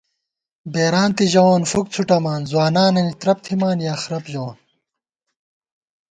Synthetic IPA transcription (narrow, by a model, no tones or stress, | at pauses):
beːɾaːnt̪iʑɐwaːnfuk̚t͡sʰuʈɐmaːnzwaːnaːnɐnit̪ɾɐp̚t̪ʰimaːnjaːxɾɐpʑɐwaːn